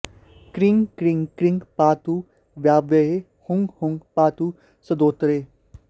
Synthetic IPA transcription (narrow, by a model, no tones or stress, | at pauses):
kɾɪŋɡkɾɪŋkɾɪŋɡpaːt̪uː | ʋjaːbeɦe | hʊŋɡhʊŋɡpaːt̪uː | səd̪oːt̪ɾeː